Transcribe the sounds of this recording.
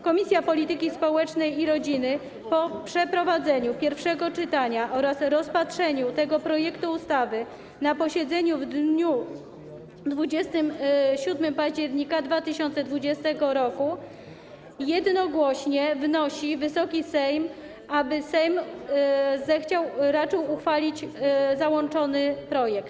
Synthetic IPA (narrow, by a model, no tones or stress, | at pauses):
kɔmʲisʲjapɔlʲit̪ɘkʲispɔwɛt͡ʂnɛjiɾɔd͡ʑinɘ | pɔpʂɛpɾɔvad̪zɛɲupʲjɛɾfʂɛɡɔt͡ʂɘt̪aɲaʔɔɾasɾɔspatʂɛɲut̪ɛɡɔpɾɔjɛkt̪uːst̪avɘ | napɔɕɛd̪zɛɲuvd̪ɲu | d̪vud͡ʑɛst̪ɘmɕud̪mɘmpaʑd͡ʑɛɾɲikad̪vat̪ɘɕɔnt̪sɛd̪vud͡ʑɛst̪ɛɡɔɾɔku | jɛd̪nɔɡwɔɕɲɛvnɔɕivɘsɔkʲisɛjm | abɘsɛjm | zɛxt͡ɕawɾat͡ʂɘwuxfalʲit͡ɕzawɔnt͡ʂɔnɘpɾɔjɛkt̪